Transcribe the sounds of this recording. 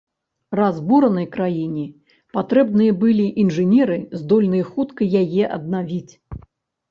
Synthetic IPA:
razbuɾɐnɐjkɾajinʲɛ | pat̪ɾɛbnɨjɐbɨlʲiʔinʐɨnʲɛɾɨzd̪ɔlʲnɨjɐxut̪kɐjajɛʔɐ̰d̪navʲit͡sʲ

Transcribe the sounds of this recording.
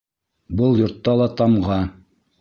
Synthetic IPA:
bɤlˠjŏɾt̪ːɑlˠɑt̪ɑmʁɑ

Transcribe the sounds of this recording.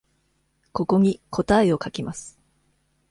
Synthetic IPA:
ko̞ko̞ɲ̟ikʰo̞t̪aeo̞kakʲimasɨ̥

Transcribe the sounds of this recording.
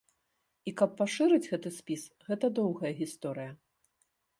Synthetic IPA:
ikɐpːaʂɨɾɨd͡zʲɣɛt̪ɨsʲpʲisɣɛt̪ɐd̪ɔwɣɐjɐɣʲist̪ɔɾɨjɐ

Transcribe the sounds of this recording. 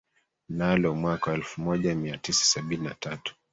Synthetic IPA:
nalɔmwakawaɛlfumɔʄamiatisḁsaɓininatatu̥

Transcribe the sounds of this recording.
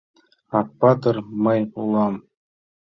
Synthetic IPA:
ɑpːɑd̪ɤ̆rmɤ̆julˠɑm

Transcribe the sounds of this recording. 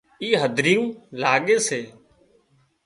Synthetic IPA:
iːɦəd̪ʱɾijũːlaːɠeːseː

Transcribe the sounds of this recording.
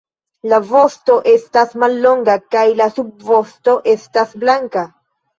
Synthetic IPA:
lavo̞sto̞ʔe̞stasmalːo̞ŋɡakajlasub̚vo̞sto̞ʔe̞stasblaŋka

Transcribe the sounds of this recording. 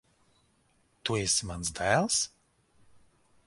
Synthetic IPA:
t̪uesmansd̪æːlˠs

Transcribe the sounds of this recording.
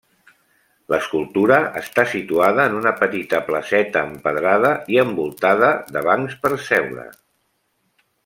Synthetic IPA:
ləskulˠt̪uɾəʔəst̪asit̪uaðəːnunəpət̪it̪əpləsɛt̪əːmpəðɾaðəiəmbulˠt̪aðəðəβaŋspəɾsɛwɾə̰

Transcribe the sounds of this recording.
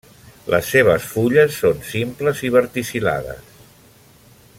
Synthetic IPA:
lʔə̰sːeβ̞əsfuʎəsːonsimpləziβəɾt̪isila̰ðə̰s

